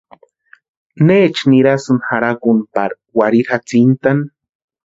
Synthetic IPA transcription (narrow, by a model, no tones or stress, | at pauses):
neːt͡ʃniɾasɨnxaɾakunpa̰ɾ | waɾiɾat͡sint̪an